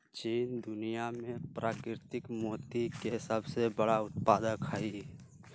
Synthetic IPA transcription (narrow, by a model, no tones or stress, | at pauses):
t͡ʃiːnd̪ʊnijamẽpɾaːkɾɪɾɪt̪ɪkmoːt̪ikesəbsebəɽaʊt̪̚paːd̪əkai